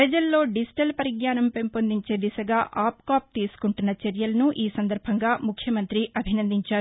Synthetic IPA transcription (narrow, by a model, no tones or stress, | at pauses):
pɾɐd͡ʒɐlːo̞ːɖisʈɐlpɐɾiɡɲaːnɐmpempond̪iɲt͡ʃe̞ːd̪isɐɡaːʔaːpkaːp̚t̪iːsu̥kuɳʈunːɐt͡ʃeɾjɐlɐnuʔiːsɐnd̪ɐɾbʱɐŋɡaːmukʰːjɐmɐnt̪ɾiʔɐbʱinɐnd̪iɲt͡ʃaːɾu